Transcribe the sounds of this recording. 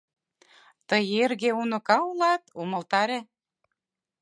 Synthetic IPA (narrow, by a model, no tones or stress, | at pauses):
t̪əjerɣeunɤ̆kɑulɑt̪umɤ̆lt̪ɑɾe